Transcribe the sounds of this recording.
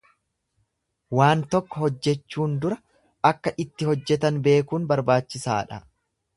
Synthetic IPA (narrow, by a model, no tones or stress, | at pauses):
waːnt̪ɔkːɔhɔd͡ʒːɛt͡ʃːuːnd̪ʊɾɐ | ɐkːɐʔɪt̪ːɪhɔd͡ʒːɛt̪ɐnbe̞ːkuːnbɐɾbaːt͡ʃːɪsa̰ːᶑɐ